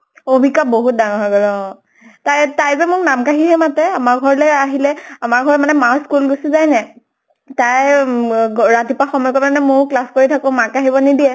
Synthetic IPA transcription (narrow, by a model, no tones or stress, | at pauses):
obʱikaboɦut̚daŋɔɦɔɡɔlɔ | tajtajzɛmʊɹnamkaɦiɦɛmatɛamaɹɡʱɔɹlɛaɦilɛamaɹɡʱɔɹmanɛmaskulɡosizajnɛ | taj | ɹatipaxɔmɔjɔkɔmanɛmʊɹklaskoɹitʰakõmakaɦibɔnidiɛ